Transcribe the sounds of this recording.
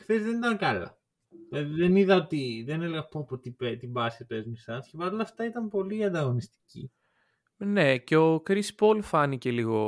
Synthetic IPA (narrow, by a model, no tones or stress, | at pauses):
xθezðe̞nit̪ɐŋkɐlɐ̰ | ilɐðiðeniðɐot̪iðeneleɣɐpopot̪ipet̪ibɐsipezmisɐscepɐɾolɐft̪ɐit̪ɐmpo̞liɐnd̪ɐɣo̞nist̪i̥cḭ | ne̞ce̞o̞kɾispo̞lfɐnice̞liɣo̞